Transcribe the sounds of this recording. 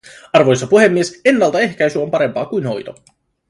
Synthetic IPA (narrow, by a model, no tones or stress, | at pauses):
ɑrʋo̞jsːɑpuɦe̞mːiese̞nːɑlt̪ɑe̞hk̟æjsyompɑɾe̞mpɑːkujnho̞jt̪o̞̰